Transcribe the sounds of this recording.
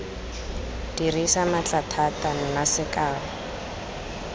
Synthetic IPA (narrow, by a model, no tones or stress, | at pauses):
d̥irisamat͡ɬatʰatan̩nasɪkaːla